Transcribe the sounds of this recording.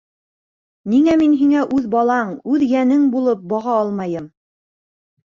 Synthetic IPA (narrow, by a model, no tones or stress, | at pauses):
niŋæminɦiŋæʔʉðbɑlˠɑɴʉðjænɘŋbulˠɤp̚bɑʁɑɑlˠmɑjɤm